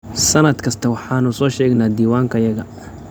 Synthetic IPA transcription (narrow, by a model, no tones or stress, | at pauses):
sɐnɐd̪kʰɐst̪ʰɐwɑħɑːnʊsɔːʃɛːɡnaːd̪iːwaːŋkʰɐjɐɣɐ